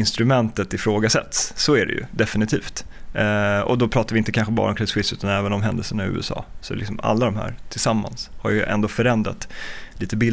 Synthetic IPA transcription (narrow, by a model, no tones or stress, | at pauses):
ɪnst̪ɾɵmɛnt̪ət̪ɪfɾoːɡasɛ̰t̪sːɔæɖɛ̰jɵ̰d̪ɛfɪnɪt̪ʰḭːft̪ | ɔ̰d̪ɔpʰɾɑːt̪aɾvɪɪnt̪əkʰanɧəbɑ̰ːɾəɔmkʰɾɛsɧɪsʉ̟ːt̪anɛːvənɔmɦɛnd̪əlsənaɪʉ̟̰ːɛsɑ̰ːsɔlɪksɔma̰lːad̪ɔmɦæ̰ːɾt̪ʰɪlsamːa̰nshaɾjɵʔɛ̰nd̪oːfœɾɛnd̪ɾa̰t̪liːt̪əbɪl